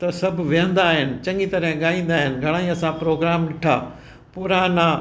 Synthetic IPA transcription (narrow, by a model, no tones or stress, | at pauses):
t̪ɐsɐbʱʊʋiɦə̃nd̪aːɦɪnɪ̆t͡ɕɐ̃ŋɡit̪ɐɾɦɪ̃ɠaːĩːn̆d̪aːɦɪnɪ̆ɡʱɐɽ̃aːĩɐsãpɾoːɡɾaːmɗɪʈʰa̰ː | pʊɾaːna